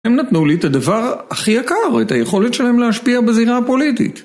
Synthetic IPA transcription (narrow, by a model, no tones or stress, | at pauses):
emnat̪nuliet̪ad̪avaʁaχijakaʁet̪ajeχo̞let̪ʃelahemleaʃpiabeziʁapo̞lit̪ḭt̪